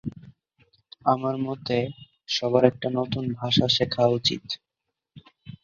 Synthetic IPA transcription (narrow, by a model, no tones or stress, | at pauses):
amaɾmɔt̪e | ʃɔbaɾɛk̚ʈanot̪unbʱaʃaʃekʰaut͡ɕḭt̪